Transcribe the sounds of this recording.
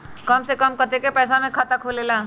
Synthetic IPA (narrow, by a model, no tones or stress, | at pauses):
kɐmsekəmkət̪ekepɛːsamẽkʰaːt̪akʰoːlelaː